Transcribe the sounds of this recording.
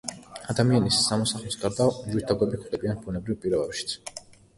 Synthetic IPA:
ad̪amianisːamɔsaχlɔst̪ʼaɾd̪amwiɾt̪ʰaɡɛbikʰd̪ɛbianbunɛbɾivpʼiɾɔbɛpʃi̥t̪sʰ

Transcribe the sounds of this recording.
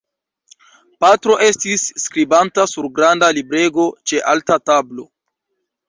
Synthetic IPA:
patɾo̞ʔe̞stisːkɾibantasuɾɡɾandalibɾe̞ɡo̞t͡ʃe̞ʔaltatablo̞

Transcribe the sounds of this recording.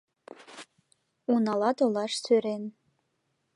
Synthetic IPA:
unaladolaʂsʰøɾen

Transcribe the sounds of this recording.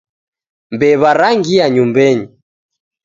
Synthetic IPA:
mbɛβaɾaŋɡiaɲumbɛɲi

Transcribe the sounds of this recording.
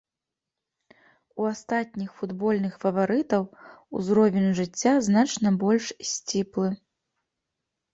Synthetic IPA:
uast̪at̪ʲnʲixfud̪bɔlʲnɨxfɐvaɾɨt̪ɐwṵzɾɔvʲɛnʲʐɨt͡sʲːaznat͡ʂnɐbɔlʲʂsʲt͡sʲiplˠɨ

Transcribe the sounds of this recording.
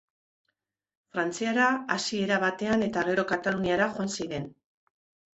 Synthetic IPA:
fɾant͡siaɾaasie̞ɾaβat̪e̞ane̞t̪aɣ̞e̞ɾo̞kat̪aluniaɾaʝoansiɾe̞n

